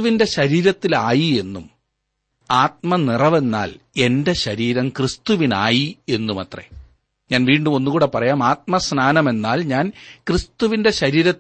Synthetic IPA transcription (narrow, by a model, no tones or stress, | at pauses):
ʋinde̞ɕɐɾiːɾɐt̪ːilaːjie̞nːum | aːt̪̚mɐnirɐʋe̞nːa̰ːle̞nde̞ɕɐɾiːɾɐmkrist̪uʋinaːjie̞nːumɐt̪rḛ | ɲaːnʋiːɳɖumo̞nːukɣuːɽe̞pːɐrɐjaːmaːt̪̚mɐsnaːnɐme̞nːaːlɲaːnkrist̪uʋinde̞ɕɐɾiːɾɐt̪ː